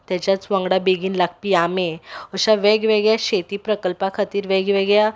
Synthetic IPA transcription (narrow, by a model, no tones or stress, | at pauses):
t̪jat͡ɕjat͡sʋãŋɡɽabeɡiːnlak̚piameəɕaʋeɡʋeɡjaɕet̪iːpɾəkəlpakʰat̪iːɾʋɛɡʋeɡɭja